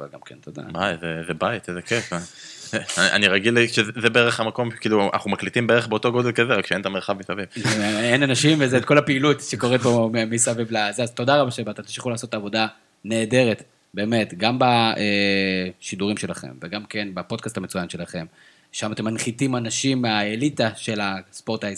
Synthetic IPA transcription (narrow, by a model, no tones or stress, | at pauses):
v̰ɡa̰mkent̪od̪a̰bajzezebait̪ezekefaeaʔa̰niʁaɡiliʃezebeeʁeχhamako̞m̥kiːlua̰na̰χumaklit̪imbee̞eχbeot̪o̞ɡo̞d̪e̞lkazeʁakʃeent̪ameʁχavmisavivenanaʃimvezeːt̪ko̞lapeilut̪ʃeko̞ʁet̪̚bomemisavivlazeazt̪o̞d̪aʁabaʃebat̪at̪imʃiχulaːso̞t̪ːaːvo̞da | neːde̞ʁet | be̞ːme̞t̪ɡambaeʃiduʁimʃe̞laχe̞̰mveɡamke̞nbapo̞d̪̚kastame̞t͡sujanʃe̞laχe̞m | ʃamat̪e̞manχit̪imanaʃimːeaelit̪aʃe̞laspo̞ʁt̪aj